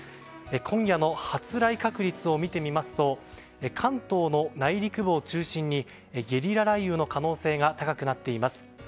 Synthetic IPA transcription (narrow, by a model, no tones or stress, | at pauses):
ekʰõ̞ŋ̃jano̞hat͡sɨɾaikakɯ̟ɾʲit͡sɨo̞mʲit̪e̞mʲimasɨ̥t̪o̞ | ekʰãnt̪o̞ːno̞naiɾʲikɯ̟bo̞ːt͡ɕɨːɕĩɲ̟ːi | eɡʲe̞ɾʲiɾaɾaiɯːno̞kano̞ːse̞ːɡat̪akakɯ̟nat̪ːe̞imasɨ̥